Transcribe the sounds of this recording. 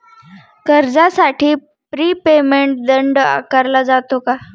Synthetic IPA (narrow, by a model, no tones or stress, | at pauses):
kəɾd͡zasaʈiː | pɾiːpemeɳʈ̚d̪əɳɖa̰kaɾlad͡zat̪oka